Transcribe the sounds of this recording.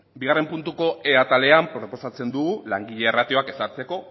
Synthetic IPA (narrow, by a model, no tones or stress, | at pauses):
biɣ̞are̞mpunt̪uko̞e̞at̪ale̞ampɾo̞po̞sat͡se̞nd̪uɣulaŋɡiʎe̞ːrat̪io̞ake̞saɾt͡se̞ko̞